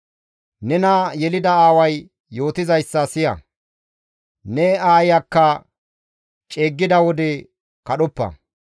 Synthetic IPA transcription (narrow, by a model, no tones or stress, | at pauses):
nɛnɐjɛlɪd̪ɐaːwɐj | jo̞ːt̪ɪzɐjsːɐsɪjɐ̰ | nɛaːjɐkːɐ | t͡ʃʼeːɡːɪd̪ɐwɔd̪ɛ | kɐɗɔpːɐ̰